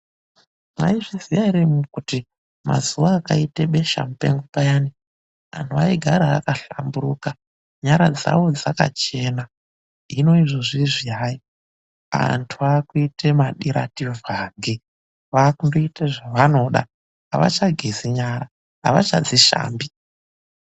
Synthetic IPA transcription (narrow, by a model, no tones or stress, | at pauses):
ma̰iʐizijaiɾemukuti | ma̰zuʋaːkaiteɓe̞ʃa̰mupḛŋɡupajani | a̰ntʰuaiɡʱaɾa̰ːkaɬambuɾuka | ɲaɾad͡za̰ʋo̞d͡zaka̰t͡ʃe̞ːna | ino̞iʐo̞ʐiʐiaji | a̰ntʰuakuitemaɗiɾa̰tivʱaːŋɡe | ʋakundoiteʐaʋano̞ɗa̰ | aʋa̰t͡ʃaɡʱeziɲaɾa | ɦa̰ʋa̰t͡ʃa̰d͡ziʃa̰ːmbi